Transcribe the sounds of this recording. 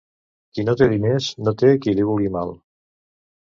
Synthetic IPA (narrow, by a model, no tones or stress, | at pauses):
kinot̪eðinesnot̪ekiliβulɣimalˠ